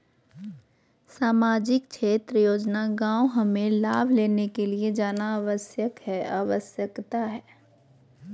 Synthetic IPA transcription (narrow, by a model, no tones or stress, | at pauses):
saːmaːd͡ʒɪkʃʰeːt̪ɾəjoːd͡ʒnaɡãːoɦɐmẽlaːbʱleːnekelied͡ʒaːnaaːʋəsjəkɦɛːaːʋəsjəkt̪aɦɛː